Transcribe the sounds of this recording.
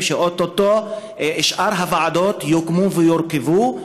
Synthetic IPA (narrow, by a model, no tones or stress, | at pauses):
ʃeʔot̪ːot̪ːo | iʃʔaɾɦavaʕad̪ot̪jokmuvejoɾkevu